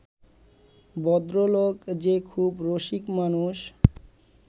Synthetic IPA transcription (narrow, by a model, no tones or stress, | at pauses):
bɔd̪ɾoloɡd͡ʑekʰubɾoʃikmanuʃ